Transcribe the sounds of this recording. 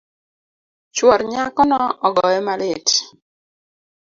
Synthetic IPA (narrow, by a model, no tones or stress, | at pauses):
t͡ʃwɔɾɲakɔnɔɔɡɔɛmalɪt